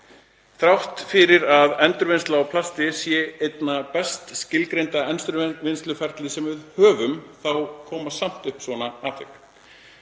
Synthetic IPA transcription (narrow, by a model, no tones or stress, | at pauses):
θɾawht̪fɪɾɪɾaðɛnt̪ɾʏɾvɪnst̪lawpʰlast̪ɪsjɛejt̪napɛst̪scɪlkɾejnt̪aɛnst̪ɾʏvɪnst̪lʏfɛɾ̥t̪lɪsɛmvɪðhœːvʏmθawkʰɔːmasam̥t̪ʏhpsvɔnaaːt̪ʰek